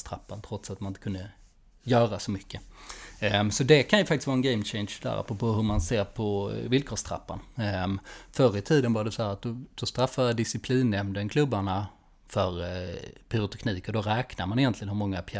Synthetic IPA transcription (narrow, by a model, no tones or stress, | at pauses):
st̪ʰɾapːant̪ʰɾɔt̪sat̪manɪt̪əkʰɵnd̪ə | jœːɾasɔmʏkːə | sɔd̪ɛkʰanjɵfak̚t̪ɪst̪vɑːɾɛnɡɛɪmt͡ɕɛɪnʂd̪æ̰ːɾʔa̰pːɾɔpʰoːɦɵɾmanseːɾpʰɔvɪlkʰoːʂt̪ʰɾa̰pːa̰n | fœɾət̪ʰiːd̪ənvaɖ̪ɛsɔhæːɾat̪̚d̪ɔd̪̥ɔst̪ɾafːajad̪ɪsɪpʰliːnːɛmd̪ənkʰlɵbːaɳa | fœɾpʰyɾʊt̪ʰɛkʰniːkɔd̪ɔɾɛːknaɾmanɪjɛnt̪lɪɡənhɵɾmɔŋːapʰ